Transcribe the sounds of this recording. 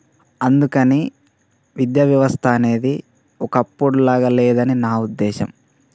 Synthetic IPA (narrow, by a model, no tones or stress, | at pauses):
ɐnd̪ukɐni | ʋid̪jɐːʋjɐʋɐst̪ʰɐːne̞ːd̪i | ɔkɐpːuɽulaːɡɐlɛːd̪ɐninaːud̪ːɛːʃɐ̰m